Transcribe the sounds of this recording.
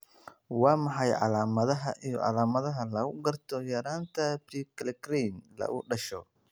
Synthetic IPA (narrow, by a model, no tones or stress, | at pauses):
wɑːmɑħɑjʕɑ̰laːmɐðɐɦɐʔijɔ̰ʕɑ̰laːmɐðɐɦɐlɐɣʊɡɐrt̪ʰɔjɐɾaːnt̪ʰɐbɾiːkʰlɛkɾinlɐ̰ʔʊ̰ɖɐʃɔ